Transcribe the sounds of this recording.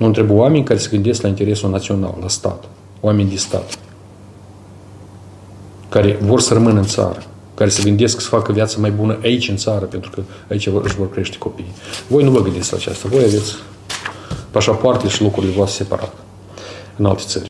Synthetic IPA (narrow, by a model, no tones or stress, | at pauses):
nuɨnt̪ɾebjoamenʲkaɾe̞seɡɨnd̪e̞sklaint̪e̞ɾe̞sunat̪sio̞na̰llast̪a̰t̪ | oame̞nʲd̪ist̪a̰t̪ | kaɾe̞vo̞rsərəmɨnɨnt̪sa̰ɾə | kaɾe̞səɡɨnd̪e̞sksə̥fakəvʲijat̪səmajbunəʔait͡ʃʲɨnt̪saɾəpe̞nt̪ɾukə | ait͡ʃaɨ̰ʃvo̞rkɾe̞ʃt̪e̥ko̞piːjvo̞jnuvəɡɨnd̪it̪sʲla̰ːt͡ʃa̰st̪əvo̞jave̞t̪sʲ | paʃapoart̪eʃilukuɾile̞voast̪ʲse̞pa̰ɾʔa̰t̪ | ɨna̰lt̪e̞̥tsə̰rʲ